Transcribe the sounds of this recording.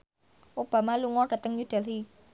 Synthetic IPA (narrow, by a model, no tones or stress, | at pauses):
ʔob̥ä̤maluŋɔɖ̥ä̤t̪əŋjuɖ̪̥a̤lɦi